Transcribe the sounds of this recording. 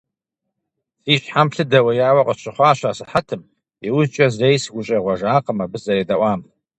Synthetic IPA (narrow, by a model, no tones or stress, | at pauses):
siʃħamɬɨdawajaːwaqʼət͡ʃʷʰɨχʷaːʃʷaːsɨħatʰɨm | iwʊzt͡ʃʼazrejsɡʷʊt͡ʃʼaʁʷaʐaːqʼəmabɨzaɾidaʔʷam